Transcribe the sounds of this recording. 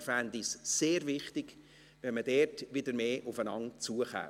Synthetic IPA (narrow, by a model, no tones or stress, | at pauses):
fændɪsseːɾvɪχtɪɡ̥ | ʋɛnmədɛtʋɪdəɾmeːʔʊfənɑŋt͡suːəχa̰ː